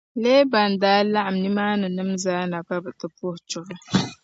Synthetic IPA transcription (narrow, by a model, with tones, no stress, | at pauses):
leː˦ba˨n˨daː˦la˦ʔa˨mni˦maː˦nɨ˨nɨ˦mzaː˦na˨ka˦bɨ˨tɨ˨pʊ˦ht͡ʃʊ˨ɾɨ˦